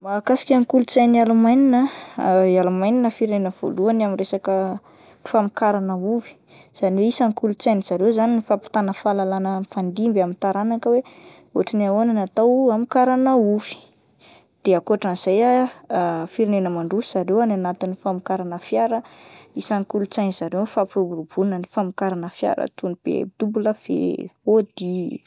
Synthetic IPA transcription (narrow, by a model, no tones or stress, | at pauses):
makasi̥kʲaŋkulut͡sajnialumajninəjalumajninəfiɾinenəv̥o̰luanamiresakə | ifamikaɾanəuvi̥ | z̥aniweisaŋkulut͡sajniz̥aɾewzaninifapi̥t̪anəfalalanəmifand̪imbamint̪aɾanakəwe | oʈ͡ʂinaonanat̪awamikaɾanəuvi̥ | d̪̥eakoaʈ͡ʂanz̥aja | fiɾinenəmaɳɖ͡ʐusi̥z̥aɾewananat̪inifamikaɾanəfjaɾəisaŋkulut͡sajniz̥aɾewfapubuɾubunənifamikaɾanəfja̰ɾə̰t̪unib̥ḛd̪̥ubuləv̥ḛod̪i